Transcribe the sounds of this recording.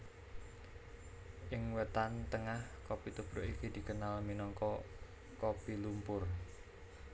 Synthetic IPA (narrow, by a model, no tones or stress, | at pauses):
ʔɪŋwət̪ant̪əŋahkopit̪ubɾʊʔikid̪̥i̤kənalminɔŋkɔ | kopilumpʊr